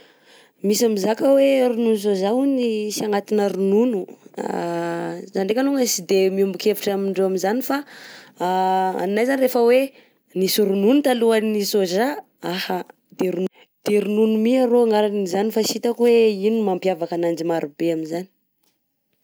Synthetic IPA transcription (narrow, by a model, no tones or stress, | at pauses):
misamizakəweɾununus̬ozaunisiaŋat̪inəɾununua̰ | zanɖ͡ʐekanuŋəsid̪emiumbuikeviʈ͡ʂamiɳɖ͡ʐewaminzanifa | a̰nːajzanirefəwe | nisuɾununut̪aluanisoza | aha | d̪̥eɾu | d̪̥eɾununumiaɾoŋaɾanizanifasit̪akweinumampiavakanand͡ʒimaɾubeamizani̥